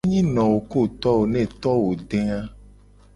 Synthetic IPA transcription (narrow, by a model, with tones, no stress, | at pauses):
ɲĩ˦nɔ̃˨wo˨ko˦t̪ɔ˦wo˨nɛ̃˦˨t̪ɔ˦wo˨ɖɛ̃˦a˦